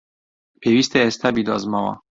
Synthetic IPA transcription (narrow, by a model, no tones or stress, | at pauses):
pʰewist̪eest̪ʰæbid̪ɑzmawɑ̰